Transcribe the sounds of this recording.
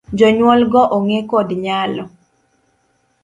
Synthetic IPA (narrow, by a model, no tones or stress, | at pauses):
d͡ʒɔɲwɔlɡɔʔoŋekodɲalɔ